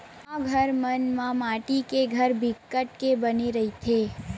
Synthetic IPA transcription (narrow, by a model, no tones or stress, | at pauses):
aɡʱəɾmənmãmaʈikeɡʱəɾbʱikːəʈkebəniɾəɦit̪ʰe